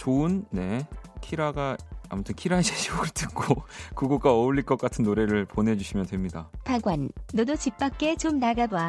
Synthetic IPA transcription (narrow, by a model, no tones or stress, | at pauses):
t͡ɕoɯnne̞kʰiɾaɡaa̰mʌtʰɯnkʰiɾaed͡ʑʰeɕʰioɡɯɭt͈ʰɯk̚k͈okɯɡok͈aʌuʎːiɭk͈ʌk͈atʰɯnːoɾe̞ɾɯɭponɦe̞d͡ʑuɕʰimjʌntwe̞mɲidapaɡwanːʌdot͡ɕip͈ak̚k͈et͡ɕomnaɡaba